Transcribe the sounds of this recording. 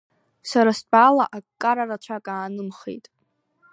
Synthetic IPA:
saɾast͡pʼalaʔakkʼːaɾarat͡ɕʷʰakʼaːnɨmχḛjtʼ

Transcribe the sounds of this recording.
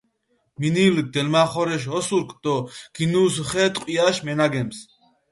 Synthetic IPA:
minil̚d̪ɛlmaːχɔɾɛʃ̬ɔsuɾkʼd̪̥ɔɡ̥inuːs̬χɛt̪ʼqʼiaʃmɛnaɡɛms

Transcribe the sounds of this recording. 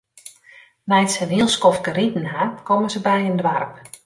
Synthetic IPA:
nɛjtsənɦiəlˠskɔfkəritn̩akɔməzəbɛjəndʋarp

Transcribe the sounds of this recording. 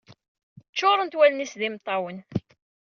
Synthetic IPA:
t͡ʃːʊɾˤənt̪wælnisðimt̪ˤːɑwən

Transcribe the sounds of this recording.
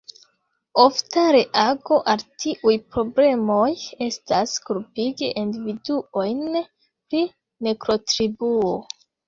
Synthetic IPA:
o̞ftaɾe̞ʔaɡo̞ʔaltʰiʔujpɾo̞ble̞mo̞je̞staskuɾpiɡeʔindividuo̞jn | pɾi | nekɾo̞tɾibuo

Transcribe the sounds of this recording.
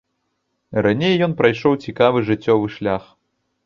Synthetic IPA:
ranʲejjɔnpɾajʂɔwt͡sʲikavɨʐɨt͡sʲːɔvɨʂlʲax

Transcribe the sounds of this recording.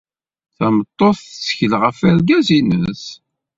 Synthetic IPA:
θæmət̪ˤːoθt͡sːə̥çəlʁəfæɾɡæzinəs

